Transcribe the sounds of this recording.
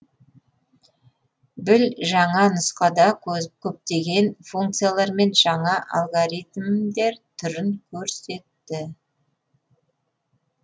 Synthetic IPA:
bɪlʒɑɴɑnəsqɑd̪ɑkʲʰɵp̚t̪e̞ɡʲe̞nfuŋk̚t̪sɨjalˠɑɾme̞nʒɑɴɑʔa̰lˠɡoɾit̪md̪e̞ɾt̪ʰʏɾɪŋkʲʰɵɾse̞t̪ːɪ

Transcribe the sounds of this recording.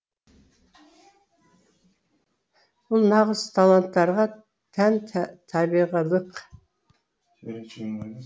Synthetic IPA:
b̥ʊlˠnɑʁəz̥t̪ʰɑlˠant̪ːɑɾʁɑ | t̪ʰænt̪ʰɑbiʁɑlˠəq

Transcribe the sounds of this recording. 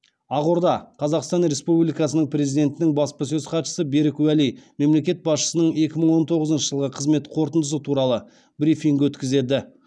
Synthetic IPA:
ɑʁoɾd̪ɑqʰɑzɑqst̪ɑnɾe̞spublijkɑsənəɴpre̞zid̪e̞nt̪ɪnɪŋbɑspəsɵzqʰɑt̪ʃə̥səbeɾɪkwælijme̞mle̞kʲe̞t̪̚bɑsʃə̥sənəɴe̞kʲɪməɴwo̞nt̪ʰo̞ʁəzənʃəʒəlˠʁəqʰəzme̞t̪qʰo̞ɾt̪ənd̪əsət̪ʰuɾɑlˠə | bɾifiŋɡwɵt̪kʲɪze̞d̪ɪ

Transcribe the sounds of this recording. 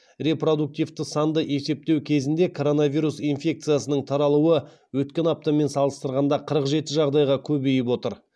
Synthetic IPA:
re̞pro̞d̪uk̚t̪ijvt̪ɪsɑnd̪əʔe̞se̞p̚t̪ewkʲʰe̞zɪnd̪e̞kʰo̞ɾo̞navijɾusinfʲe̞k̚t̪sɨjasənəɴt̪ʰɑɾɑlˠuwə | wɵt̪kʲe̞nɑp̚t̪ɑme̞nsɑlˠəst̪əɾʁɑnd̪ɑqʰəɾəqʒe̞t̪ɪʒɑʁd̪ɑjʁɑkʲʰɵbejɪpwo̞t̪əɾ

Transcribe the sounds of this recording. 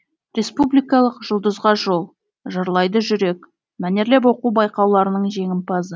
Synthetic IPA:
rʲe̞spublijkɑlˠəqʒʊlˠd̪əzʁɑʒo̞lˠ | ʒɑɾlˠɑjd̪əʒʏɾe̞k | mæne̞ɾle̞p̬wo̞quwbɑjqɑwlˠɑɾənəɴʒe̞ŋɪmpɑzə

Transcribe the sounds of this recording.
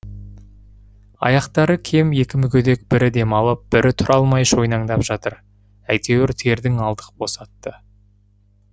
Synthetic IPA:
ɑ̰jɑqt̪ɑɾəkʲʰe̞mje̞kʲɪmʏkʲʰed̪e̞k̚b̥ɪɾɪd̪e̞mɑlˠəp̚b̥ɪɾʔɪt̪ʰʊɾʔɑlˠmɑjʃo̞jnɑŋd̪ɑpʒ̥ɑt̪əɾ | æjt̪e̞wɪɾt̪ʰe̞ɾd̪ɪŋɑlˠd̪ə̥qbo̞sɑt̪ːə

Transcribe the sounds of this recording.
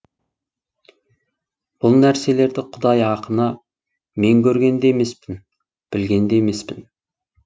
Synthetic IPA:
b̥ʊlˠnæɾse̞le̞ɾd̪ɪqʰʊd̪ɑjɑqənɑ | me̞ŋkʲɵɾɡʲe̞nd̪eme̞spɪn | b̥ɪlɡʲe̞nd̪eme̞spɪn

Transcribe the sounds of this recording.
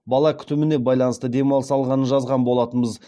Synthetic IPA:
bɑlˠɑkʲʰʏ̥t̪ɪmɪne̞bɑjlˠɑnəst̪əd̪e̞mɑlˠəsɑlˠʁɑnənʒɑzʁɑnbo̞lˠɑt̪ənbəz

